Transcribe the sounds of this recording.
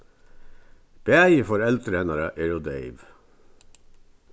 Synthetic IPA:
b̥eæjəfɔɾɛlt̪ʰɾeːnɑɾəʔɛɾʊd̪eɪʋ

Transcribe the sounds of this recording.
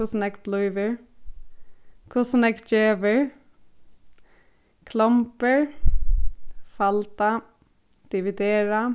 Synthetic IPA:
ʊsnɛɡblɔʏʋəɹ | kʰʊsnɛkd͡ʒeːʋəɹ | kʰlɔmpəɹ | fɑlt̪a | d̪̥ɪʋɪd̪eːɹa

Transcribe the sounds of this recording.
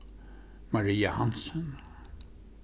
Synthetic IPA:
mɑɾiːahansən

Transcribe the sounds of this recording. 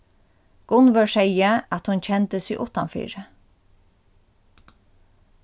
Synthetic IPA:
ɡ̥ʊnʋœɹsɛjəæt̪hʊnt͡ɕʰɛnt̪əsɪʔʊ̰ht̪anfḭːɹə

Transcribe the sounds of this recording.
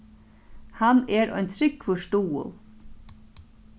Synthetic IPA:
hanɛɾɔ̰jnt̪ʰɾɪkfɔʃt̪uːə̰lˠ

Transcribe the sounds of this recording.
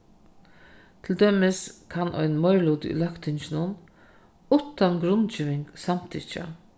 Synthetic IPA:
t̪ʰɪld̪œmɪskʰanʔɔ̰ʏjnnmɔjɹluːd̪ḭlœkt̪ʰɪnt͡ʃɪnʊn | ut̪anɡɾʊnt͡ʃiːʋɪŋksamt̪ʰḭːt͡ʃa̰

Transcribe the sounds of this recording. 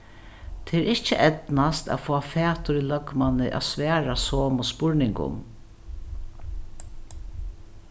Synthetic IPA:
t̪ʰeɾɪht͡ʃəʔɛt̪nast̪a̰fɔːafɛːt̪ʊɾilœɡmanɪʔa̰sʋɛːɾasoːmɔspʊɹnɪŋkʊ̰m

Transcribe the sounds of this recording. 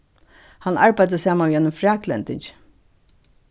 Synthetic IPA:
hanːaɹpæjt̪əsaːmanʋiːjɛnʊmfɹaːklɛ̰nt̪ɪɲt͡ʃ

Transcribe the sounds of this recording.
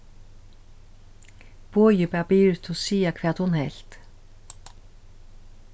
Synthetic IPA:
pɔːjɪpɛːpɪɾʏt̪ʰɪɔsiːakʰvɛːt̪hunhɛl̥t̪

